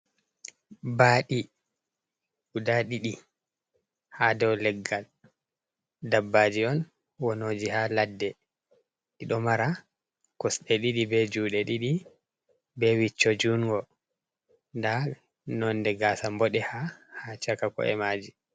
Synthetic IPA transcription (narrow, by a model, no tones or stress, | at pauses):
baːɗi | udaɗiɗi | hadɔwlɛɡːal | dabːad͡ʒiɔn | wɔnoːd͡ʒihaladːɛ | ɗiɗɔmaɾa | kɔsɗɛɗiɗibɛd͡ʒuɗɛɗiɗi | bɛwit͡ʃːɔd͡ʒuŋɡɔ | nda | nɔndɛɡaːsambɔɗɛhahat͡ʃakakɔ̰ɛ̰maːd͡ʒi